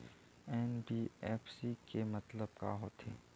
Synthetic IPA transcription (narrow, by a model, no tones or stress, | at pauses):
ɛːnbiːɛːfʰsikemɐt̪ləb̚ka̰ɦoːt̪ʰḛː